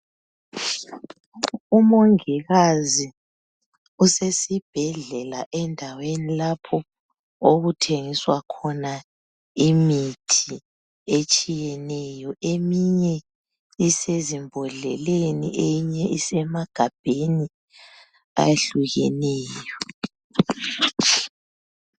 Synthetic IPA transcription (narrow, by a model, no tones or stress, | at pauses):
umoŋiɣazi | usesib̥ʱɛɮɛlaʔɛndʱawenilapʰɔ | oɣutʰeŋiswakʰɔna | imitʰi | et͡ʃʼijɛnɛjɔʔemiɲɛ | isezimbʱɔɮɛ̰lenḭʔeɲɛisɛmaɡ̥ʱab̥ʱeni | a̰jeɬuɣɛnɛːjɔ